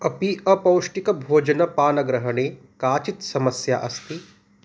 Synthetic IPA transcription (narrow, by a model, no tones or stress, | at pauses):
ɐpiɐpɐwʃʈikɐbʱoːd͡ʒɐnɐpaːnɐɡɾɐɦɐɳeː | kaːt͡ʃit̪sɐmɐsjaʔɐst̪i